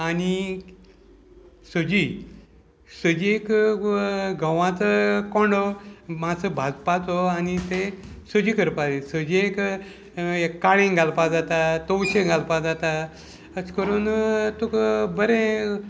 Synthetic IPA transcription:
ani | səd͡ʑi | səd͡ʑiek | ɡʱəʋãt͡səkoɳɖɔmat͡səbʱad͡zpat͡soanit̪esəd͡ʑikəɾpad͡zesəd͡ʑiek | eaɭẽŋɡalpad͡zat̪at̪owɕẽŋɡalpad͡zat̪a | əskəɾuːnt̪okbəɾẽ

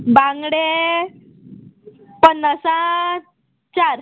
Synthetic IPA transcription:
baŋɡɽe | pənːəsã | t͡ɕaɾ

